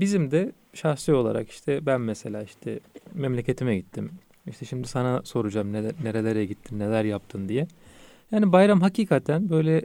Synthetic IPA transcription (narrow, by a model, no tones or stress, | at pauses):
bizimd̪ɛ | ʃaxsɯo̞lˠa̰ɾa̰ki̥ʃt̪ʰɛbænmese̞lʲaːiʃt̪ʰɛ̰mɛmlʲe̞cʰe̞t̪ʰimɛɟit̪ʰːim | iʃt̪ʰɛʃimd̪isanaso̞ɾud͡ʒamneneɾelʲeɾɛɟit̪ʰːinne̞lʲæɾjap̚t̪ʰɯnd̪ijɛ | jaːnibajɾamɦaciːkʰat̪ʰænbø̞jlʲɛ